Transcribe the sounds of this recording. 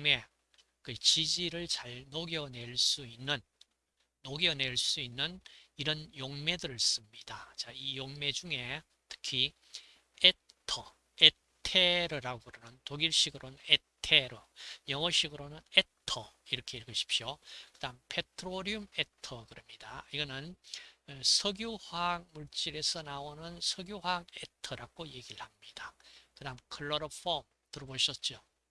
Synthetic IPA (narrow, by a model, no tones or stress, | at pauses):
me̞ | kɯt͡ɕid͡ʑiɾɯɭt͡ɕaɭnoɡjʌne̞ɭs͈uinːɯnː | oɡjʌne̞ɭs͈uinːɯniɾʌnjoŋme̞dɯɾɯɭs͈ɯmɲid̥at͡ɕaijoŋme̞d͡ʑuŋe̞ | tʰɯ̥kʰi | etʰʌ | e | tʰeɾɯɾaɡokɯɾʌnɯntoɡiɭɕ͈iɡɯɾonɯnetʰeɾɯjʌŋʌɕʰiɡɯɾonɯnetʰʌiɾʌkʰe̞iɭɡʌɕʰi̥p̚ɕokɯdampʰe̞tʰɯɾoɾiumetʰʌkɯɾʌmɲidaiɡʌnɯn | sʰʌɡjohwaŋmuɭt͡ɕ͈iɾe̞sʰʌnaonɯnsʰʌɡjohaŋetʰʌɾaɡoje̞ɡiɭhamɲid̥akɯdamkʰɯɭːʌɾʌpʰʌm | tɯɾʌboɕʰʌt̚t͡ɕ͈o